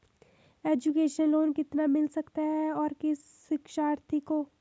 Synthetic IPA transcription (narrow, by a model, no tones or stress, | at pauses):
eːd͡ʒukeːʃənloːnkɪt̪namɪlsɐkt̪aɦɛɔːɾkɪs | ɪkʃaːɾt̪ʰiko